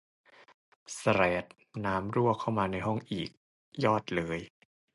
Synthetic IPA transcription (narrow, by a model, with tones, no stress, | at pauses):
sa˧ɾɛː˨˩t̪̚ | naː˦˥mɾu˥˩əkʰa˥˩wmaː˧na˧jɦɔ˥˩ŋʔḭː˨˩k̚ | jɔː˥˩t̪̚lɤː˨˦j